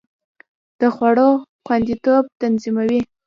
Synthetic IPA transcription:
d̪̥əxwaɽoxwand̪it̪ob̚t̪anzimawi

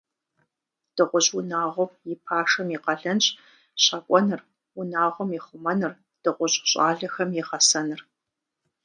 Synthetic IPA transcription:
d̥ɨʁʷʊɕʼʊnaːʁʷɔjɪpʰaːʂɐmjɪqɐɮɐnɕʼ | ɕaːkʷʼɔnɨr | ʊnaːʁʷɔmjɪχʷʊmɐnɨr | d̥ɨʁʷʊɕʼɕʼaːɮɐxɐmjɪʁɐsɐnɨr

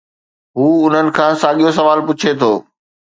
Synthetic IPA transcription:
ɦuːʊn̤ənɪ̆kʰãːsaːɠijosɐʋaːlpʊt͡ɕʰet̪ʰoː

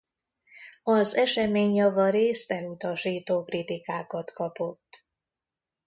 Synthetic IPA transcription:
ɒzɛʃɛmeːɲjɒvɒɾeːst̪ɛmut̪ɒʃiːt̪oːkrit̪ikaːkɒt̪kɒpo̞t̪ː

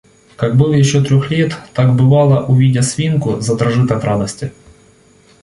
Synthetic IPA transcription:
kaɡbɨlˠjɪɕːot̪ɾʲoxlʲet̪ːaɡbɨvɑlˠɐʔʊvʲidʲɐsʲvʲinkʊzɐd̪ɾɐʐɨt̪ɐt̪ɾad̪ɐsʲtʲɪ

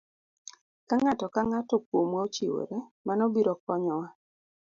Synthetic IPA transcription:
kaŋatɔkaŋatɔkwomwaot͡ʃiwo̰ɾemanɔbiɾɔkɔɲɔwa

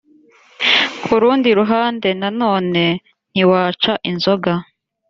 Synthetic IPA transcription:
kʰuɾuːndiɾuɦaːnde̞nano̞ːne̞ | n̥iwaːt͡ʃaʔinzo̞ɡa

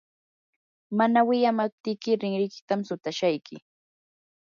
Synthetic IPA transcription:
manawɪjamap̚t̪ɪjkɪɾɪŋɾɪjkɪ̥t̪amsʊt̪aʃajkɪ

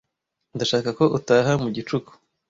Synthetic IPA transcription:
ndaʃaːkako̞ʔutaːɦamuɟit͡ʃuku̥

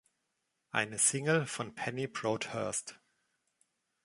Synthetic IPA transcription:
ʔa̰ɪnəsɪŋəl̩fɔnpʰɛnipʰɹoːthɜːst

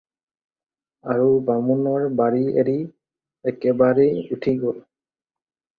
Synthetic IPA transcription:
aɹubamunɔɹbaɹiḛɹi | ɛkɛbaɹɛutʰiɡol

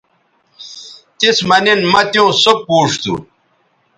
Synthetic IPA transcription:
t̪ismɐninmɐt̪jõːsok̚puːʂt̪ṵ

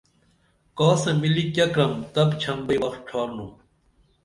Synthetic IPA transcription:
kɔːsɐ̃milikjɐkɾɐmt̪ɐbt͡ɕʰɐmbɐiwɐxt̪̚ʈʰaːɾnũː

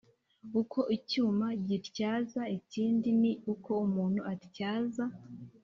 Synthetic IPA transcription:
ukʰo̞ʔicuːmaɟitcaːzaiciːndiniuko̞umuːn̥huatcaːza

